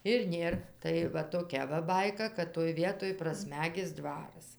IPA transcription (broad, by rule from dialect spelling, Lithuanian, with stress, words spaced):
ɪr ˈnʲeːr tɐɪ ˈʋɐ toːˈkʲɛ ʋɐ ˈbɐɪkɐ kɐt toːj ˈʋʲiɛtoːj prɐˈsʲmʲæːɡʲɪs ˈdʋɑːrɐs